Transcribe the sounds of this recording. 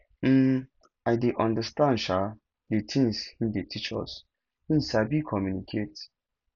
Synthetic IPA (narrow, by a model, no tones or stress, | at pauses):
m̩ | ajdeʔɔ̃ndəstãnʃa | detʰĩŋshĩdetʰit͡ʃɔ̰s | hĩnsabikʰɔmjunikʰet